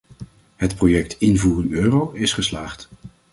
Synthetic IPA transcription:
ɦətprojɛk̚tɪnvuːrənøːrowɪsχəslaːχt

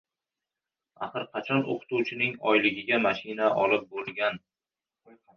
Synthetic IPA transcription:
a̰χɨɾqʰɑt͡ʃʰɒno̰qʰɨ̥t̪uwt͡ʃʰɪnɪŋɒjlɪɡʲɪɡʲamaʃɪnaʔɒlˠɪp̚bolˠɡʲan

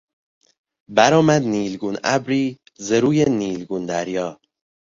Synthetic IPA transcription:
bæɾɒːmæd̪niːlɡunæ̰bɾiː | zeɾuːjeniːlɡund̪æɾjɒː

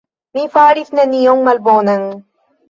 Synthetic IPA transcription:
mifaːɾiθnɐnijoŋmɐlboːnɐŋ

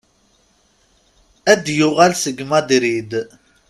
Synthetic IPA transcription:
æd̪juʁælsəɡmɑd̪iɾid̪

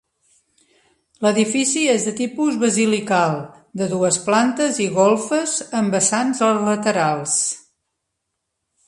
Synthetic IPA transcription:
ləðifisiezðət̪ipuzβəzilikalˠ | d̪əðuəsplant̪əziɣɔlˠfəzəmbəsanzlət̪əɾalˠs

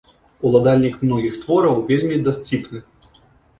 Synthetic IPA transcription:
ulˠad̪alʲnʲikmnɔɣʲixt̪vɔɾɐwvʲelʲmʲid̪asʲt͡sʲipnɨ

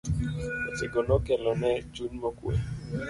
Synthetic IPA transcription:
otɪɡɔnɔkɛlɔnɛd͡ʒunmɔkwḛ

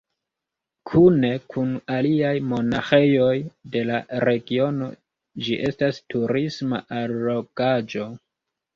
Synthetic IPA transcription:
kʰune̞kʰunaliajmo̞naxe̞jo̞jde̞laɾe̞ɡio̞no̞̰ | d͡ʒiʔe̞stastuɾisma̰ʔalo̞ɡad͡ʒo̞

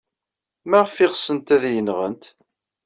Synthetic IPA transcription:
mæʁəfɪʁəsənt̪æðjənːʁənt̪

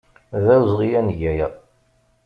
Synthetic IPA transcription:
ðæwzˤʁijænʝæjə

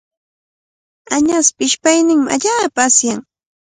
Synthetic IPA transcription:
aɲaspɪʃpajnɪŋmɪa̰ʎaːpaːsjaŋ

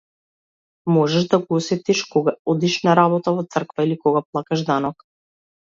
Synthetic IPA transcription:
mɔʒɛʒd̪aɡɔɔsɛt̪iʃkɔɡaɔd̪iʃnaɾaβɔt̪avɔt̪sr̩kvailikɔɡaplˠakaʒd̪anɔk

